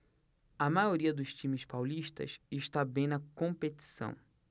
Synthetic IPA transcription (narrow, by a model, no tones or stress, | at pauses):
ɐmajoɾiɐd̪ʊʃt͡ʃĩmɪspawliʃt̪ɐ̰sɪʃt̪abẽj̃nɐkõmpet̪i̥sɐ̰̃w̃